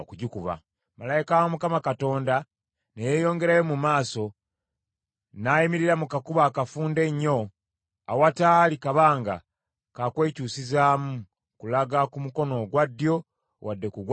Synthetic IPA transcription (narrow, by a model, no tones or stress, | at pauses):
kuɟikuβa̰ | malaikawamukamakato̞ːnda | nejeːjo̞ːŋɡe̞ɾajomumaːso̞ | najimiɾiɾamukakuβaːkafuːnde̞ɲːo̞ | a̰watalikaβaːŋɡa̰ | kakwe̞ːcusizaːmu | kulaɡakumuko̞no̞ɡwadːjo̞ | wadːe̞kuɡw